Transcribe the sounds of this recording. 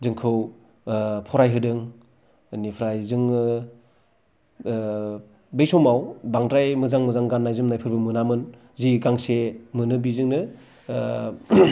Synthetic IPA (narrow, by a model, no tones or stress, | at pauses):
zɯŋkʰɯw | pʰɔɾajɦɯdɯŋ | nipʰɾajzɯŋ | bejsɔmawbaŋdɾajmɯzaŋmɯzaŋɡanːajzɯmnajpʰɯɾbɯmɯnamɯn | ziɡaŋsemɯnɯbizɯŋnɯ